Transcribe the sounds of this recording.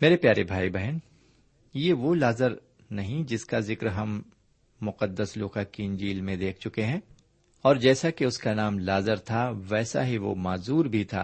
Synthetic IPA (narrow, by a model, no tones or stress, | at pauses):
meːɾepjaːɾebʱaːibɛɦən | jeʋolaːzəɾ | nɐɦĩd͡ʒɪskazɪkɾɦɐmː | ʊqəd̪ːəsloːkaːkiːnd͡ʒiːlmẽd̪eːkʰt͡ʃʊkeɦɛ̃ː | ɔːɾd͡ʒɛːsakeʊskanaːmlaːzəɾt̪ʰaʋɛːsa̰ɦiʋo̰maːzuːɾbʱit̪ʰa̰ː